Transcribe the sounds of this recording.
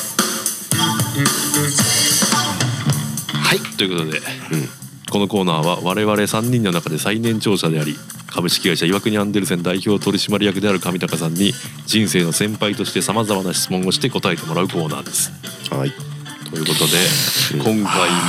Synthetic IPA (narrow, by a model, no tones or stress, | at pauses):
hait̪ːoiɯ̟ko̞t̪o̞d̪e̞ | ko̞no̞ko̞ːnaːβaβaɾe̞βaɾe̞sãɲ̟ːĩnːo̞nakad̪e̞sainẽ̞ɲt͡ɕo̞ːɕad̪e̞aɾʲi | kʰabɯ̟ɕi̥kʲiɡaiɕaiβakɯ̟ɲ̟iãnd̪e̞ɾɯ̟s̬end̪aiço̞ːt̪o̞ɾʲiɕimaɾʲijakɯ̟d̪e̞aɾɯ̟kamʲit̪akasãɲ̟ːi | d͡ʑĩɰ̃se̞ːno̞sẽ̞mpait̪o̞ɕi̥t̪e̞samazamanaɕi̥t͡sɨmõ̞ŋo̞ɕi̥t̪e̞ko̞t̪ae̞t̪e̞mo̞ɾaɯ̟ko̞ːna̰ːd̪e̞sɨ̥ | t̪ojɯ̟ko̞t̪o̞d̪e̞kʰõŋkai